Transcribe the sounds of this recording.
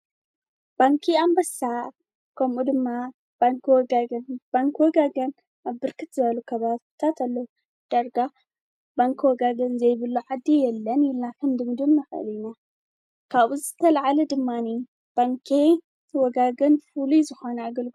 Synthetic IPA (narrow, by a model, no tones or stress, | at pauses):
b̥aŋkʰiambɐsa | kʰɐmʔud̪ɨmːa | baŋkʰwɔɡaɡnb̥aŋkʰwɔɡaɡɐn | aβbɨɾkʰɨt̪z̥ɨβɐlukʰɐβaβt̪ʰat̪ʰalːou | d̪̥aɾɡa | baŋkʰwɔɡaɡɐnzɐjβɨlːuʕad̪ːijɛlːɐnɪlnakʰɨmd̪ɨmd̪ɨlnɐxɨ̰lina | kʰaβuzɨt̪ʰɐlʕalɐd̪ɨmːani | b̥aŋkʰe | wɔɡaɡɐnfulizɨxonɐaɡɐlɡɨ